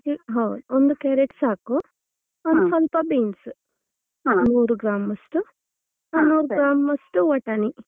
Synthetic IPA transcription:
iɦɐwd̪ond̪ukeːɾeʈsaːku | ɐnd̪usɔlpɐbiːns | nuːɾuɡɾaːmɐsʈu | nuːɾuɡɾaːmɐsʈuʋɐʈɐni

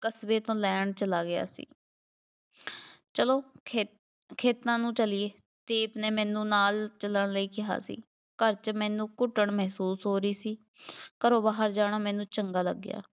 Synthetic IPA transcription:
kəsbeːt̪õːlɛːɳt͡ʃəlaːɡɪja̰ːsḭː | t͡ʃəloː | kʰeːt̪ãːnũːt͡ʃəlɪeː | t̪eːpneːmɛ̃ːnũːnaːlt͡ʃələɳləiːkɪɦa̰ːsḭː | kəɾt͡ʃmɛ̃ːnũːkʊʈːəɳmɛɦsuːsɦoːɾəiːsiː | kəɾõːbaːɦəɾd͡ʒaːɽ̃aːmɛ̃ːnũːt͡ʃəŋɡaːlə̰ɡːɪja̰ː

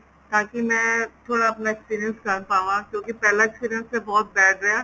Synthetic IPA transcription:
t̪aːkimɛ̃ːt̪ʰoːɽaɐpnaekspiːɾijə̃nskɐɾpaːũãkjõːkipɛːlaekspiːɾjə̃nsːebɔːt̪̚bɛːʈʰɾɐa

